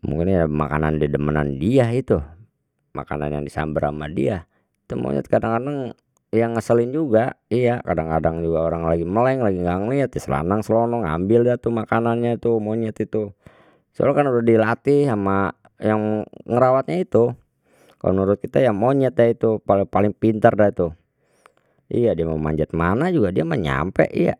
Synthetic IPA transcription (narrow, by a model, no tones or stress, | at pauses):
mṵŋkɪnjama̰ka̰na̰ndidəməna̰ndiait̪u | ma̰ka̰na̰nja̰ŋdisa̰mbəɾa̰madḭa | it̪umo̰ɲɛ̰t̪̚kadaŋkadaŋ | jaŋːəsəlɪnd͡ʒuɡaijakadaŋkadaŋd͡ʒuɡaoɾaŋlaɡiməlaŋlaɡiŋɡaŋliat̪̚jasəla̰naŋsəlonɔŋa̰mbɪldat̪umakananɲait̪umoɲɛt̪it̪u | səo̰lakanudahdilat̪iama | jaŋŋəɾawat̪̚ɲait̪u | ka̰lonuɾʊt̪̚kit̪ajaŋmoɲɛt̪̚dait̪upalpalɪŋpint̪ərdait̪u | ḭjadiaməma̰ɲd͡ʒat̪̚manad͡ʒuɡadiaməɲa̰mpɛ̰ʔḭja̰